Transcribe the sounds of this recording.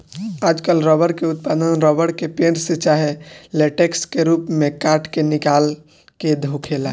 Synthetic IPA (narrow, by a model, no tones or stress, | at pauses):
aːd͡ʒkəlɾɔːbəɾkeʊt̪paːd̪ənɾɔːbəɽkepeɳset͡ʃaɦeleːʈekskeɾuːpmẽkaːʈʰkenɪkaːl | ked̪ʱokʰeːla